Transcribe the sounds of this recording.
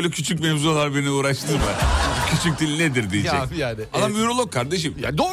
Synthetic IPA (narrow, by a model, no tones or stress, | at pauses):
øjlʲɛcʰyt͡ʃʰyc̬mɛvzualˠaɾbe̞niuːɾaʃt̪ʰɯmacʰyt͡ʃʰyc̚d̪ilʲned̪iɾd̪ijid͡ʒɛjaːnɪad̪amyɾolˠokʰːaɾd̪e̞ʃ̬ɯmja̰ːnd̪o